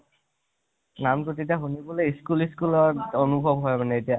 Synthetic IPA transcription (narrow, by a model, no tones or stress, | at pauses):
namtotetiaɦuniboleiskuliskulɔtɔnubʱɔbɦɔjmanɛetija